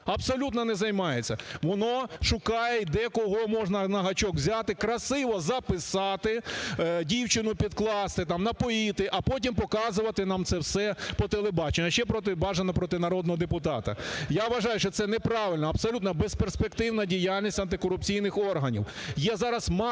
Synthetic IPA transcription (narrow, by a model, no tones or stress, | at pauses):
ɐbsɔlʲut̪nɐnɛzɐjmɑjet͡sʲːɐʋɔnɔʃʊkɑjɛid̪ɛkɔɦɔmɔʐnɐnɐɦɐt͡ʃɔkwzʲat̪ɪkɾɐsɪʋɔzɐpɪsɑt̪ɪdʲiwt͡ʃɪnʊpʲid̪klˠɑst̪ɪt̪ɑmnɐpɔit̪ɪʔɐpɔt̬ʲimpɔkɑzʊʋɐt̪ɪnɑmt̪sɛwsɛpɔt̪elˠebɑt͡ʃenʲːɐʃt͡ʃɛpɾɔt̪ɪbɑʒɐnɐpɾɔt̪ɪnɐɾɔd̪nɔɦɔd̪epʊt̪ɑt̪ɐ̰jaʋɐʒɑjʊʃt͡ʃɔt̪sɛnɛpɾɑʋɪlʲnɐɐb̥sɔlʲut̪nɐbesperspekt̪ɪwnɐdʲijalʲnʲisʲɐnt̪ɪkɔɾʊp̚t͡sʲijnɪxɔrɦɐnʲḭw | jɛzɑɾɐsmɑ